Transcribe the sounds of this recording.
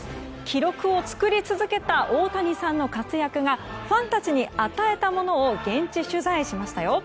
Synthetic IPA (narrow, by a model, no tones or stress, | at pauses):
kʲʰiɾo̞kɯ̟o̞t͡sɨ̥kɯ̟ɾʲit͡sɨzɨke̞t̪aʔo̞ːt̪aɲ̟isãnːo̞kat͡sɨjakɯ̟ɡaɸãnt̪at͡ɕiɲ̟iat̪ae̞t̪amo̞no̞ːɡẽ̞ɲ̟t͡ɕiɕɨzaiɕimaɕi̥t̪ajo̞